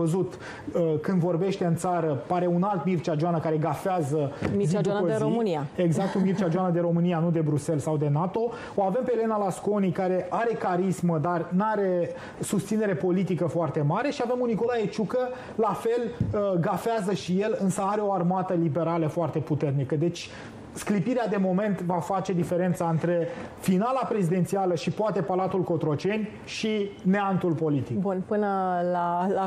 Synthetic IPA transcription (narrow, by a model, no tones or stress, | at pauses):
əzut̪ | əkɨnd̪vo̞rbe̞ʃt̪e̞ɨnt̪saɾəpaɾe̞unalt̪mirt͡ʃad͡ʒoanəkaɾe̞ɡafeazəizid̪upoomɨniaeɡzak̚t̪umirt͡ʃad͡ʒoanəd̪e̞ɾo̞mɨnijanud̪e̞bɾuse̞lsawd̪e̞nat̪o̞ | oave̞mpeːle̞nalasko̞nikaɾe̞ʔaɾe̞kaɾisməd̪arnaɾe̞ | sust̪sine̞ɾe̞po̞lit̪ikəfoart̪e̞maɾe̞ʃiave̞muniko̞lae̞t͡ʃukə | lafe̞lɡafeazəʃije̞lɨnsəaɾe̞o̞armat̪əlibe̞ɾaləfoart̪e̞put̪e̞rnikəd̪e̞t͡ʃʲ | sklipiɾead̪e̞mo̞me̞nt̪vafat͡ʃe̞d̪ife̞ɾe̞nt̪saɨnt̪ɾe̞finalapɾe̞zid̪e̞nt̪sialəʃipoat̪e̞palat̪ulko̞t̪ɾo̞t͡ʃe̞nʲ | ʃineant̪ulpo̞lit̪ikbunpɨnəlaa